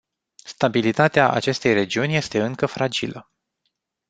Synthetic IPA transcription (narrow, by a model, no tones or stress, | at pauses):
st̪abilit̪at̪eaʔa̰t͡ʃe̞st̪e̞jre̞d͡ʒiunʲje̞st̪e̞ɨŋkəfɾad͡ʒilə